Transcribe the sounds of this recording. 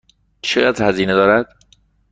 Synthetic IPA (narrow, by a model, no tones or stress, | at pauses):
t͡ʃʰejæd̪hæziːned̪ɒːɾæd̪̥